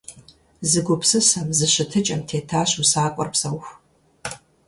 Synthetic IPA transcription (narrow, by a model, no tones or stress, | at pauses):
zɨɡʷʊpsɨsɐmzɨɕɪtʰɨt͡ʃʼɐmtʰeːtʰaːɕusaːkʷʼɔ̰rpsɐwx